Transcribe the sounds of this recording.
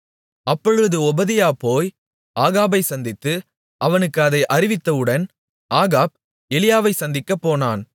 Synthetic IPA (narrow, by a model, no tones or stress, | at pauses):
ɐpːɔɻɯðɯɔbɐðɪjaːpoːj | ʔaːɣaːbɐɪsɐnd̪ɪt̪ːɯ | ʔɐʋɐnɯkːɯɐðɐɪʔɐɾɪʋɪt̪ːɐɯɽɐn | ʔaːɣaːb̚ | ɛlɪjaːʋɐɪsɐnd̪ɪkːɐpːoːnaːn